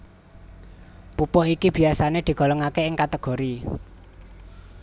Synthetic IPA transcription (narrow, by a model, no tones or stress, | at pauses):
pupɔɦikib̥i̤asaned̪̥i̤ɡ̥ɔ̤lɔŋakeɪŋkat̪əɡ̥o̤ɾi